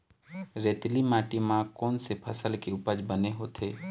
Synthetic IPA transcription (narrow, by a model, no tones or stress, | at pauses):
ɾeːt̪limaːʈimãkɔːnsepʰəsəlkeʊpəd͡ʒbəneɦoːt̪ʰeː